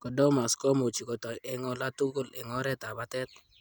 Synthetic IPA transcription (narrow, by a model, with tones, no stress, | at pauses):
kɔ˨dɔ˦ma˨skɔ˦mo˨t͡ʃi˨kɔ˨tɔ˨jɛ˨ŋɔ˨la˦tu˦ɡo˦lɛ˨ŋɔ˦ɾɛ˦ta˨ba˦tɛ˦t̪̚